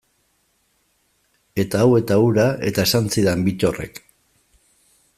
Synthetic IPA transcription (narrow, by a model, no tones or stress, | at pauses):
e̞t̪aːwe̞t̪auɾaʔe̞̰t̪ae̞sant͡siðembit͡ʃo̞re̞̰k